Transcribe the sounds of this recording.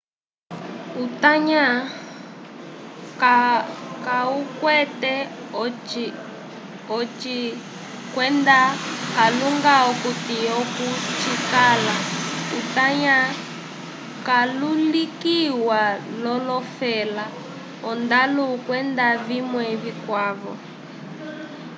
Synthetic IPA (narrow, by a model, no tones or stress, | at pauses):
utaɲa | kakaukwɛtɛ | ɔ | ɔt͡ʃi | kwɛndakaluŋɡaɔkutiɔkut͡ʃikalautaɲa | kalulikiwalɔlɔfɛla | ɔndaluukwɛndaβimwɛβikwaβɔ̰